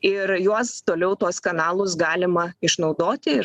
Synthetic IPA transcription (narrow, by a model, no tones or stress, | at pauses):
ɪɾjuɔst̪oːlʲɛʊt̪uɔskɐnɑːlˠʊsɡɑːlʲɪmɐɪʃnɐʊd̪oːt̪ʲɪ